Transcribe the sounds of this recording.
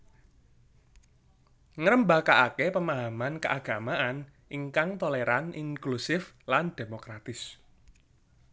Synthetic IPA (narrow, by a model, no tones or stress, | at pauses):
ŋəɾəmbakaʔakepəmaɦamankəʔaɡ̥a̤maʔan | ʔiŋkaŋt̪oleɾaniŋklusɪf | land̪̥e̤mokɾat̪ɪs